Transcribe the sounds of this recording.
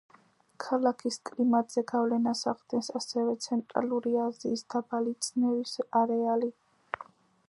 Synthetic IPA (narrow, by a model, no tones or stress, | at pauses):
kʰalakʰiskʼlimat̪z̥ɛɡavlɛnasaʁd̪ɛnsasɛvɛt̪sʰɛnt̪ʼɾa̰luɾiaziːsd̪abalit̪sʰnɛvisaɾɛali